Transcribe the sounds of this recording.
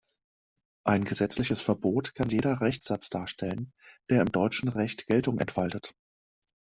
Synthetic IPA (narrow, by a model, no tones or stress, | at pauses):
ʔaɪnɡəzɛt͡slɪçəsfɛɐboːtkʰanjeːdɐʁɛçz̥at͡sd̥aːɐʃtʰɛlənd̥eːɐɪmdɔʏt͡ʃn̩ʁɛçtɡ̥ɛltʊŋʔɛ̰ntfaltət